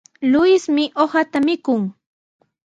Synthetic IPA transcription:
lʊjɪsmɪʔohat̪amɪkʊŋ

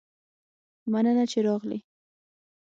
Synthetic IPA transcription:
manənat͡ʃeɾɑɣlḭ

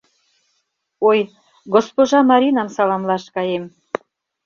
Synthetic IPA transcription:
oj | ɡospoʒɑmɑɾinɑmsɑlɑmlɑʃkɑjem

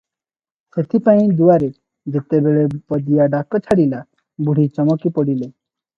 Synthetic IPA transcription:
set̪ʰipaĩd̪uaɾe | d͡ʒet̪ebeɭepɔd̪ijaɖakɔt͡ʃʰaɽila | buɽ̤it͡ʃɔmɔkipɔɽile

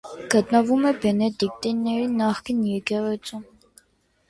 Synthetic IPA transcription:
ɡət̪nəvumɛbɛnɛt̪ik̚t̪inːɛɾinɑχkinjɛɾkɛʁɛt͡sʰum

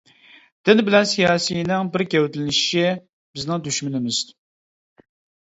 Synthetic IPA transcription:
d̪̥ɪnbɪlɛnsijɑːsijinɪŋbɪɾɡʲɛwt̪ʰɪlɪnɪʃɪ | bɪznɪŋd̪yʃmynɪmɪz̥

